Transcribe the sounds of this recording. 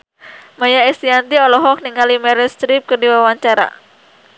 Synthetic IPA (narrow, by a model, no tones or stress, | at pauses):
majaɛsiant̪iɔlɔɦɔk̚niŋalimɛɾɛst̪ɾip̚kɨrdiwawaɲt͡ʃaɾa̰